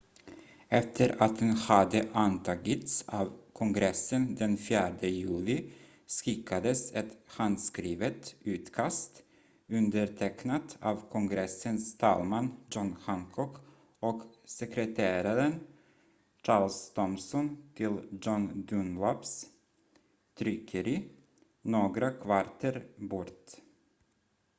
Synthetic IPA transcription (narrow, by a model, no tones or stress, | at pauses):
ɛft̪ʰəɾat̪̚dɛnhad̪əʔant̪ʰɑːɡɪt̪savkʰɔŋɡɾɛsːənd̪ɛnfjæːɖəjʉ̟ːlɪ | skɪkʰːad̪əsɛt̪hand̪skɾiːvət̪ʉ̟ːt̪kʰast̪ | ɵnd̪əɾʈʰɛknat̪aːvkʰɔŋɡɾɛsːənst̪ʰɑ̰ːlmand͡ʒɔnɧaŋkʰɔk | ɔksɛkɾɛt̪ʰeːɾaɾən | t͡ʃɑːlst̪ʰɔmsɔnt̪ʰɪld͡ʒɔnd̪ɵnlaps | t̪ʰɾʏkʰːəɾi | noːɡɾakʰvaɾt̪ʰəɾbɔɾt̪